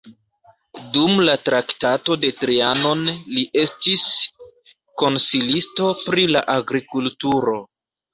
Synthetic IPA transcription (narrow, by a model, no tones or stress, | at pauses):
dumlatɾaktato̞de̞tɾiano̞nliʔe̞stis | ko̞nsilisto̞pɾila̰ʔaɡɾikultuɾo̞